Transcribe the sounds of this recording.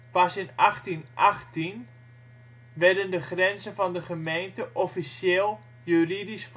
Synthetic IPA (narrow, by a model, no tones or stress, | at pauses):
pɑsɪnɑχtinʔɑχtin | ʋɛɹdəndəχrɛnzənvɑndəχəmejntəʔɔfisjeːlˠ | jyridisf